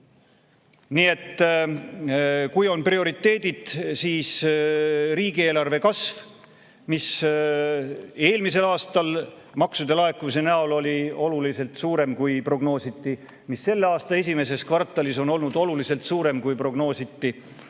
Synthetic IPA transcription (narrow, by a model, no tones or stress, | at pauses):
niːe̞t̪ː | kujo̞nprio̞ɾit̪ːe̞ːd̪̥id̪̥siːs | ɾiːɡ̥ie̞ːlɑrve̞kɑsv | mis | e̞ːlmise̞lɑːst̪ɑl | mɑksud̪e̞lɑe̞kːumis̬e̞næolo̞lʲio̞lulise̞lt̪suːɾe̞mkujpro̞ɡ̥no̞ːsit̪ːi | misːe̞lːeɑːst̪ɑe̞s̬ʲime̞s̬e̞skvɑrt̪ːˑɑliso̞no̞lnud̪̥o̞lulise̞lt̪suːɾe̞mkujpro̞ɡ̥no̞ːsit̪ːi